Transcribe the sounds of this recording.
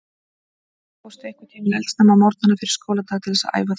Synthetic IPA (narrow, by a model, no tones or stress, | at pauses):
fowst̪aɛhkat̪ʰɛmɛlsnamamɔɾt̪nanːafɪɾɪ̥ɾskoːwlat̪ʰaːt̪ʰɪlðɛsa̰a̰ːjvaθ